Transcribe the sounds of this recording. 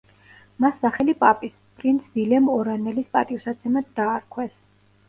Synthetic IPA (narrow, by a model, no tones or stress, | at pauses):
masːaχɛlipʼapʼis | pʼɾint̪sʰvilɛmɔɾanɛlispʼa̰t̪ʼiusat̪sʰɛmad̪d̪aːɾkʰwɛs